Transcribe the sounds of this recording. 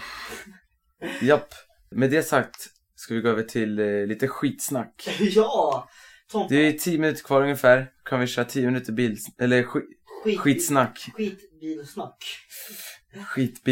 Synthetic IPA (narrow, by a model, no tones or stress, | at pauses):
japː | mɛd̪ɛasak̚t̪ | skavɪɡoːøːvəʈʰɪllːiːt̪əɧiːt̪snakːj | d̪ɛæt̪ʰiːjəmɪnʉt̪əɾkʰvɑːɾɵŋəfæːɾkʰanvɪʃœːɾat̪ʰiːəmɪnʉ̟ːt̪əbiːlʔɛlːə | ɧiːsnakː | ak | ɧiːt̪bi